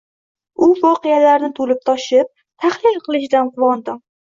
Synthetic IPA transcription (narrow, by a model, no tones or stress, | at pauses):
ʊvɒqɨjalaɾnɪt̪ʰolɪp̚t̪ʰɒʃɪp̚ | t̪ʰahlɪlˠqʰɨlˠɪʃɪd̪anqʰʊvɒnd̪ɪ